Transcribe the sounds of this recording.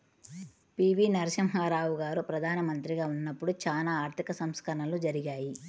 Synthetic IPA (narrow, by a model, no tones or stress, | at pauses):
piːʋinɐɾɐʃɐmɦaːɾaːʋuɡaːɾupɾɐd̪ʱaːnɐmɐnt̪ɾiɡaːunːɐpːuɽut͡ʃaːlaːaːɾt̪ʰikɐsɐmskɐɾɐɳɐlud͡ʒɐɾiɡaːji